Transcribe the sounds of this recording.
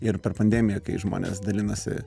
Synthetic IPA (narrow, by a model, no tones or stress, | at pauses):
ɪrpʲɛrpɐnʲd̪ʲæːmʲɪjɛkɐɪʒmo̰ːnʲḛːsd̪ɐlʲɪnɐsʲɪ̰